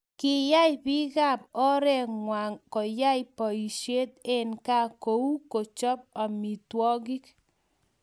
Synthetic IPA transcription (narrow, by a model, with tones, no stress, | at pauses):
kɪ˨ja˦jpi˦ka˦˨p̚ɔ˦ɾɛ˦˨ŋwa˨ŋkɔ˨ja˦jpɔ˨i˨ʃje˦t̪̚e˦nka˦ko˨u˦ko˨t͡ʃɔ˦p̚a˨mi˨twɔ˦ɡi˦k̚